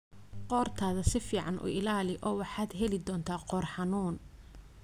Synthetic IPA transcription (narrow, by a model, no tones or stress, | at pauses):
qɔːrt̪ʰaːðɐsɪfiːʕɑnʔṵːʔɪlaːlɪʔɔːwɑħaːd̪ɦɛlɪd̪ɔːnt̪ʰaːqɔːrħɑnuːn